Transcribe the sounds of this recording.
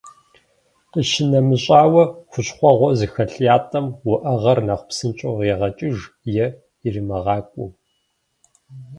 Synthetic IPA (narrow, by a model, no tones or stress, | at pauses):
qəʃɪnɐmɨɕʼaːwɐxʷʊɕχʷɔʁʷɔzɨxɐɬjaːtʼɐmwʊʔɐʁɐrnɐχʷpsɨnt͡ʃʼoʁeːʁɐt͡ʃʼɪʒ | jɛ | irɨmɐʁɑːkʷʼʊ